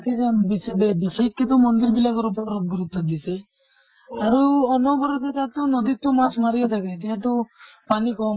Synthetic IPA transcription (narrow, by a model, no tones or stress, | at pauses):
kʰisabisbebisekːit̪ɔmɔnd̪iɾbilakɔɾɔpɔɾɔp̚ɡuɾut̪ːɔd̪ise | aɾuɔnɔbɔɾɔd̪et̪at̪ɔnɔd̪it̪ɔmasmaɾiɔt̪ʰakat̪iɦat̪̬ɔpanikɔ